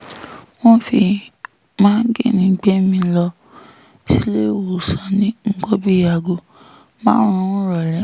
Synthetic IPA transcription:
w̃ɔ̃˦fi˧ | mãː˦n̩˦ɡe˦˨nĩ˨˧˦ɡ͡be˦mĩ˧lɔ˧ | ti˦le˦wo˨sɔ˨nĩ˦ŋ̩˦ɡɔ˦bi˦a˧˨ɡo˧ | mãː˦ɾ̃ũ˧˦ɔ̃˦ɾɔ˨lɛ˨˦

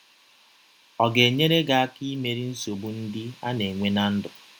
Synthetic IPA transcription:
ɔ˨ɡe˨ɲe˦ɾe˦ɡa˨a˦ki˦me˨ɾi˦n̩˦so˨bu˦n̩˦dɪ˦a˦ne˨ŋʷe˦na˦n̩˦dʊ˨

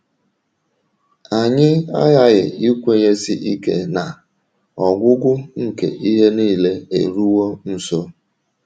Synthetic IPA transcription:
a˨ɲɪ˦a˦ja˦ɣɪ̰˨i˦kʷe˦ɣe˦si˦ʔi˦ke˦na˨ | ɔ˨ɡʷʊ˦ɡʷʊ˦ŋ̩˦kḛ˨ʔi˦ɦe˦niː˦˨le˦ḛ˨ɾu˦wo˦n̩˨so˦

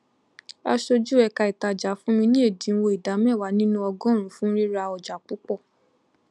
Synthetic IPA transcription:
a˧ʃo˧d͡ʒu˦ɛ˧˨ka˧i˨ta˧˨d͡ʒa˨˦fũ˦mĩ˧nĩ˦e˦˨dĩ˨˦n̩˦wo˧i˨da˨˦mɛ̃˦˨wa˨˦nĩ˦nũ˦ɔ˧ɡɔ̃˦˨ɾ̃ũ˨˦fũ˦ɾi˦ɾa˧ɔ˨d͡ʒa˨˦k͡pu˦k͡pɔ˦˨

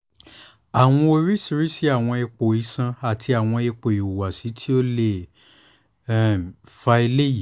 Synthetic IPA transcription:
a˨w̃ɔ̃˧o˧ɾi˦si˧ɾi˦si˦a˦˨w̃ɔ̃˧e˧k͡po˨i˨˧˦sã˧a˨tʰi˧a˨w̃ɔ̃˧e˧k͡po˨i˨u˨wa˨si˨˦tʰi˦o˦le˦˨ | fa˧i˧le˦ji˦˨˦

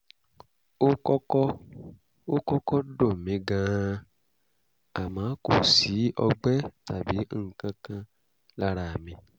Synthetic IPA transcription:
o˦kɔ˦kɔ˦ | o˦kɔ˦kɔ˦do˦˨mĩ˨˧ɡã˦˧ | a˨mãː˨˦ko˨si˨˦ɔ˧ɡ͡bɛ˦ta˨bi˨˦˨kã˧kã˧ | la˦ɾa˨mĩ˧

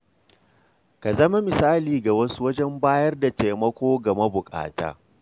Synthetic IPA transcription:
ka˨zɐ˦ma˦mɪ˨saː˦liː˨ɡa˨wɐ˦su̥˦wɐ˦d͡ʒɛ˦mbaː˦jɐ˦rda˨teː˨mɐ˦kʷoː˦ɡɐ˨ma˦bʊ˨kʼa̰ː˨ta̰ː˦

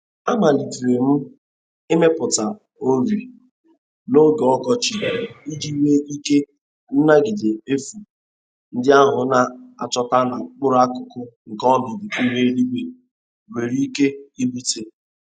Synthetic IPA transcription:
a˦ma˨li˨tu˨ɾe˨m̩˦ | e˦me˦pʊ˨ta˨ | o˦ɾi˨ | no˦ɡɔ˦ɡɔ˦t͡ʃɪ˨i˦d͡ʒi˦we˦i˦ke˦ | n̩˦na˦ɡɪ˨de˨e˦fu˨ | n̩˦dɪ˦a˦ɦʊ˨na˨a̰˨t͡ʃɔ˦ta˦na˨k͡pʊ˦ɾa˦kʊ˨kʊ˦ŋ̩˨kɔ˦mɪ˨di˨ku˦we˦li˦ɡ͡be˨ | we˨ɾi˦ke˦i˦bi˦te˦

